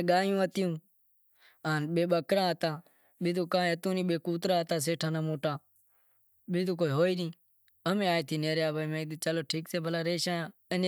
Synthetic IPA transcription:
ɡaːjũːət̪ɪjũː | aːnɓeːɓəkɾãːət̪aː | ɓɪd̪uːkãːɦət̪ũːnĩːɓeːkuːt̪ɾaːɦt̪aːs̬eːʈʰaːnaːmoːʈaː | ɓɪt̪ũːkoːiːɦoːiːnĩː | əmẽːaːeːt̪ʰiːneːɾjaːbəːmẽːt͡ʃəloːʈʰiːkseːbʱəlaːɾeːʃãːaː | ən

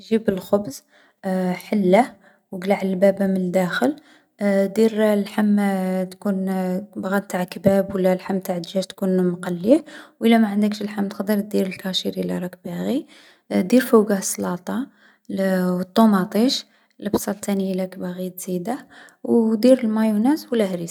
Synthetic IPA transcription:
ʒibəlxʊbz | ħəlːa | wɡlaʕləlbæbæməəd̪æxəl | d̪iɾlħamːt̪kunbɣɑd̪̚t̪aʕkbæbwəlːælħamːt̪aʕd̪ʒæʃt̪kunmqɑlːiwʔəlːæmaʕənd̪əkʃəlħamt̪qd̪əɾ̚d̪iɾəlkɑʃiɾlːæ̰ɾˤɑk̚bæɣi | d̪iɾfəwɡasˤlɑt̪ˤɑ | wət̪ˤːomɑt̪ˤiʃ | ləbsˤɑlt̪ænilækbæɣit̪z̥id̪a | wd̪iɾəlmɑjunæswəlæhɾis

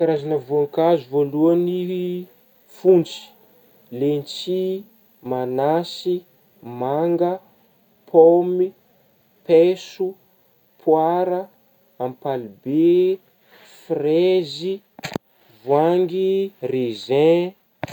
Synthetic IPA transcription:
kaɾazanəvuaŋkazuvoluani | funt͡si̥ | lent͡si | manasi | maŋɡə | pʰomi | pɛsu | pʰwaɾə | ampalibe | frezi | vwaŋɡirezɛ̃

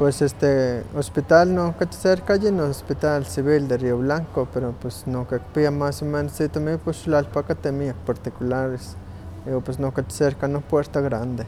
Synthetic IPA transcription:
pwesest̪eospit̪alnoket̪seɾkajinoospit̪alsiβild̪erioβlaŋkopeɾopesnokekpiamasomenosit̪omiposʃlalpakat̪emiak̚paɾt̪ikulaɾes | iopesnoket̪seɾkanopweɾt̪aɣɾand̪e

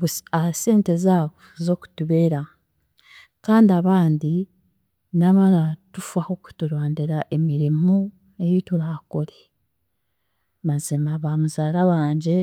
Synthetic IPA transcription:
uase̞ːnte̞zaːβozo̞ːku̥tuβe̞ːɾa | kaːndiaβaːndi | naβalatufaho̞ku̥tuɾwaːndiɾaʔe̞miɾimu | e̞jituɾakole | βazimaβamuzaːɾawaːɲɟe̞

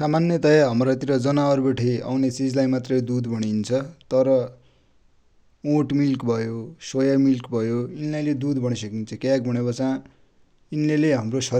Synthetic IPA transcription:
samanjʌt̪ʌjaɦʌmrʌt̪iɾʌd͡zʌnaʌrbeʈʰea̰wnet͡sid͡zlajmat̪rʌjd̪ud̪bʱʌɽ̃int͡sʰʌt̪ʌɾʌ | oʈmilkbʱʌjosojamilkbʱʌjoinlajled̪ud̪bʱʌɽisʌkint͡sʰʌkak̚bʱʌɽ̃ebʌt͡sã | inleleɦamrosʌ

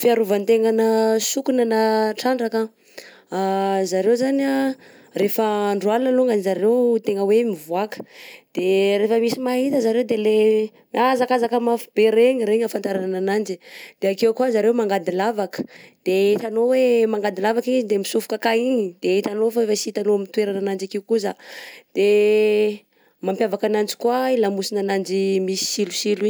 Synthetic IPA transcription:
fiaɾuvant̪eŋanəsukunanaʈ͡ʂaɳɖ͡ʐaka | azaɾewzana | refəːɳɖ͡ʐualnəluŋɡanizaɾewt̪eŋəwemivuakə̥d̪̥eɾefəmisimaɦit̪əzaɾewd̪ele | miazakazakəmafubeɾeɲiɾeɲafant̪aɾanananand͡ʒid̪̥eakewkuazaɾewmaŋɡad̪ilavakə̥d̪̥eit̪anowemaŋɡad̪ilavakiizid̪emisufu̥kakaiɲid̪̥eit̪anofaefasit̪anomit̪weɾananand͡ʒakewkuzad̪̥e | mampjavakanand͡ʒi̥kuwailamusinanand͡ʒimisi̥silusiliɲ

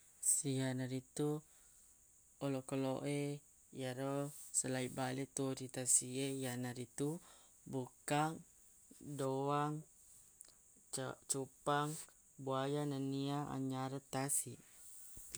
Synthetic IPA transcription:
sijanaɾit̪u | olokəloʔe | jaɾosəlaibalet̪udit̪asiejanaɾit̪u | bukaŋ | dowaŋ | t͡ʃupaŋ | buajananiaa̰ɲaɾət̪asi

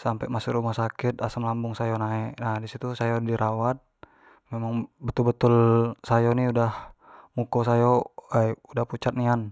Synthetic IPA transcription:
sampɛmasʊkɾumahsakit̪̚asamlambuŋsajɔnaɛʔnadisit̪usajɔdiɾʔawat̪̚ | mɛmaŋbət̪ulbət̪ulsajɔniudahmukɔsajɔajudahput͡ʃat̪̚nian

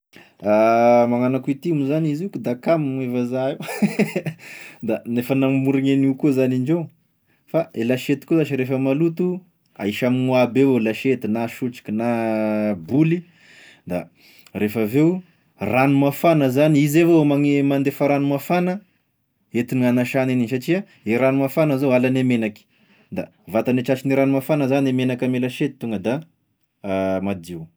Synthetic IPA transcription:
amaŋanakuit̪imuzanizukud̪akamimevazai | d̪anefənammuɾiŋeniukuzaniɳd͡ʒe | faelaʃet̪i̥kuzaʃiɾefəmalut̪u | a̰iʃaminuabewelaʃet̪inaʃuʈ͡ʂi̥kʲina | buli | d̪a̰ | refaveu | ranumafanəzaniizevoomaŋemand̪efaɾanumafanə | et̪inanaʃanininsaʈ͡ʂia | eɾanumafanəzoalanemenaki̥ | d̪a | vat̪aneʈ͡ʂat͡ʃiniɾanumafanəzanemenakamelaʃet̪i̥t̪uŋɡəd̪a | mad̪iw

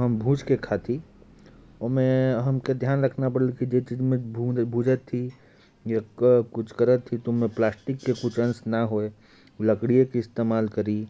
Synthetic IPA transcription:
ɦɐmbʱũːt͡ʃkekʰat̪ʰi | mẽɦɐmked̪ʱjaːnɾɐkʰnapɐɽlikid͡ʒet͡ʃiːzmẽubʱũd͡ʒət̪ʰːi | jakʊt͡ʃʰkəɾət̪ʰːit̪oːẽplaːsʈɪkːekʊt͡ʃʰɐ̃nsnaɦoe | ləkɽiekiɪst̪eːmaːlkɐɾi

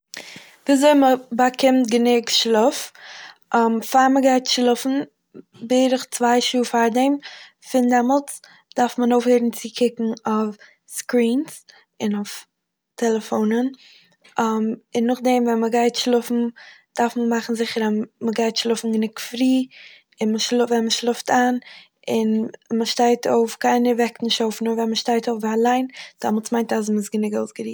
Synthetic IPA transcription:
viːazoɪməbakʰɪmt̚ɡənɪɡʃlˠʊfʔamfaɾməɡaɪtʃlˠʊfn̩ | beɪɾɪχt͡svaɪʃuːfaɾdɛm | fɪndɛmɔlˠt͡s | d̥aɾfmənoʊfheːɾn̩t͡sɪkʰɪkŋ̩ɔf | skɾiːns | ɪnʊf | tʰɛlˠɛfoʊnən | mɪnːʊχdɛmvɛnməɡaɪtʃlˠʊfn̩d̥aɾfməmaχn̩zɪχəɾaməɡaɪtʃlˠʊfn̩ɡənɪkfɾiː | ɪnməʃʊvɛnməʃlˠʊftʰan | ɪnməʃtaɪtʰo̰ʊfkaɪnəvɛknɪʃtoʊfnʊɾvɛnməʃtaɪtoʊfvalˠaɪnd̥amlˠt͡smaɪ̃ntaz̬mɪsɡənɪɡoʊsɡəɾiː

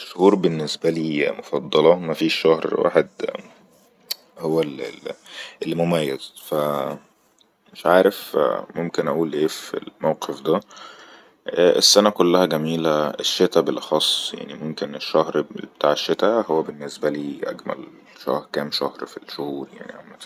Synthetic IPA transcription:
eʃːohuːɾbenːesbæliːmofɑd̪ˤːɑlɑmæfiːʃːæhɾwa̰ːħed̪ | howːæl | ʔelːimomæjːæz̥fæ | meʃʕaːɾefmomkenʔæʔuːlʔeːfḭlmæwqefd̪æ | ʔesːænækolːæhæɡæmiːlæeʃːet̪æbelʔɑxɑsˤːja̰ʕnimomkeneʃːæhɾbet̪aːʕeʃːet̪æhowːæbenːesbæliːʔæ̰ɡmæ̰l | ʃæ̰hɾkæːmʃæhɾfilʃohuːɾja̰ʕniʔæ̰wmæ

